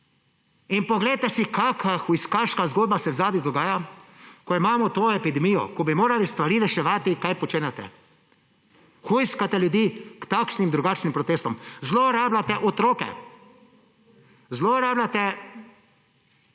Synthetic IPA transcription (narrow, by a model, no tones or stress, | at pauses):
inpɔɡlɛjt̪ɛsikaːkʰaxujskaʃkazɡoːd̪̚basɛwzaːd̪id̪ɔɡaːjakɔimaːmɔt̪oːɛpid̪ɛmiːjɔ̰kɔbimoːɾalist̪ʋaɾiːɾɛʃɛʋaːt̪ikajpɔt͡ʃeːnɛt̪ɛ̰ | xujskat̪ɛljʊd̪iːkt̪akʃnimd̪ɾuɡaːt͡ʃnimpɾɔt̪eːst̪ɔmzloːɾaːblat̪ɛʔɔt̪ɾoːkɛ̰ | zloɾaːblat̪ɛ